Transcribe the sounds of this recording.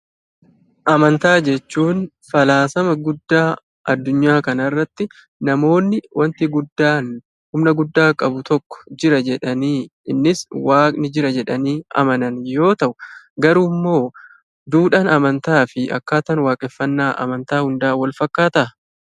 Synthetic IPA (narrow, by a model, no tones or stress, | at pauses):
ʔɐmɐnt̪aːd͡ʒɛt͡ʃːuːn | fɐlaːsɐmɐɡʊd̪ːaː | ʔɐd̪ːʊɲːaːkɐnɐrːɐt̪ːɪ | nɐmo̞ːnːɪwɐnt̪ɪɡʊd̪ːaːn | hʊmnɐɡʊd̪ːaːkʼɐbʊt̪ɔkːɔ̥d͡ʒɪɾɐd͡ʒɛᶑɐniːɪnːɪswaːkʼnɪd͡ʒɪɾɐd͡ʒɛᶑɐniːɐ̰mɐnɐnjo̞ːt̪ɐʔʊ | ɡɐɾʊmːo̞ː | d̪uːᶑaːnɐmɐnt̪aːfɪɐ̰kːaːt̪ɐnwaːkʼɛfːɐnːaːʔɐ̰mɐnt̪aːhʊnd̪aːwɐlfɐkːaːt̪ɐʔɐ